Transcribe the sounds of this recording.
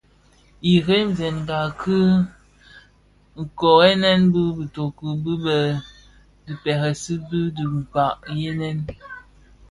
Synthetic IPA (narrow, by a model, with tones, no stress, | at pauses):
i˨ɣe˦m˨zɛ˨nŋ˨ɡa˨kʰɨ˦ | ŋ̩˨kɔ˨e˦nɛ˦nbɨ˦bi˨to˨ku˨bɨ˦bə˨ | bi˨pɛ˨ɣə˨si˦bi˦di˨m˨pa˨ʔje˦nɛ˦n